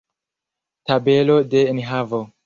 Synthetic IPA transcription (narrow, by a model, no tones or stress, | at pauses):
tabe̞lode̞inɦavo